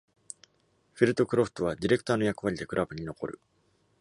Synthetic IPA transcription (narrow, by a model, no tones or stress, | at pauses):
ɸʲiɾɯ̟t̪o̞kɯ̟ɾo̞ɸɯ̥t̪o̞β̞ad̪ʲiɾe̞kɯ̥t̪aːno̞jakɯ̟βaɾʲid̪e̞kɯ̟ɾʔabɯ̟ɲ̟ino̞ko̞̰ɾɯ̟̰